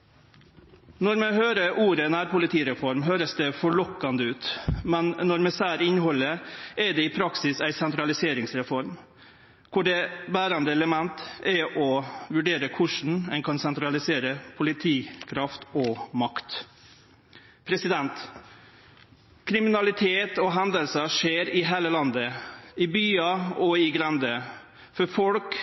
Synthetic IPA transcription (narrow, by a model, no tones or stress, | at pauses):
nɔɾmɛhøːɾəʔuːɾənæːɾpʊlɪt̪ʰiːɾɛfɔɾmɦøːɾəsd̪ɛfɔɭɔkːɑnd̪əʉːt̪mɛnːɔɾmɛsæːɾɪnhɔlːəɛd̪ɛɪpʰɾɑksɪsæɪsɛnt̪ɾɑlɪseːɾɪŋsɾɛfɔɾm | kʰʊɖɛbæːɾɑnd̪əɛləmɛnt̪ɛʔɔʋʉɖeːɾəkʰʊʂɳ̩ɛnkʰɑnsɛnt̪ɾɑlɪseːɾəpʰʊlɪt̪ʰiːkʰɾɑft̪ɔmɑkt̪ | pʰɾɛsɪd̪ɛnt̪ | kʰɾɪmɪnɑlɪt̪ʰeːt̪ɔɦɛnd̪əlsəʂeːɾɪɦeːləlɑnd̪əɪbyːɑɔɪɡɾɛnd̪ə | fɔɾfɔlk